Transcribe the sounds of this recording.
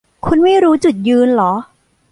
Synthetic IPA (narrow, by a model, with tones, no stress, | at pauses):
kʰu˧nma˥˩jɾuː˦˥t͡ɕu˨˩t̪̚jɯː˧nlɔː˩˦